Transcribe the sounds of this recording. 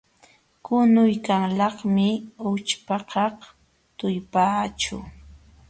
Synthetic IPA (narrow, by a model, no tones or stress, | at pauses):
kʊnʊjkaŋlɑχmɪʊt͡ʃpɑqɑq | t̪ʊjpaːt͡ʃʊ̰